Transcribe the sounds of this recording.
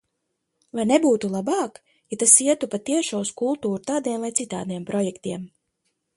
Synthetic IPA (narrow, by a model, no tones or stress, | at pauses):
vajnebuːt̪ulˠabɑːk | jat̪asiɛt̪upat̪iɛʃɔuskulˠt̪uːɾut̪aːd̪iɛmlˠajt̪it̪a̰ːd̪nijɛmpɾɔjɛkt̪iɛm